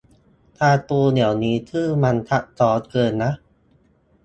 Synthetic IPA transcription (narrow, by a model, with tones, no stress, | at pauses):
t̪ʰaː˧t̪uː˧ni˨˩˦wniː˦˥t̪ʰɯː˥˩ma˧nt̪ʰa˦˥ʔ̚sɔː˦˥t̪̚kɤː˧nːa˦˥ʔ